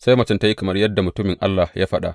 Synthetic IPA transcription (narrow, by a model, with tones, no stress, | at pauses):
sa˦jmɐ˨t͡ʃɪ˦nta˦ji˦kɐ˨mɐ˦rjɐ˦dːa˨mʊ˨tʊ˦mɪ˨ŋʔa̰˦lːa˨jʔaː˦ɸɐ˦ɗa̰˨ʔ